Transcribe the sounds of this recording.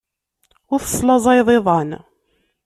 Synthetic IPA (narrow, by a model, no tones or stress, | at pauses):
ʊɾθə̥sˤlɑzˤɑjðˤeðˤɑn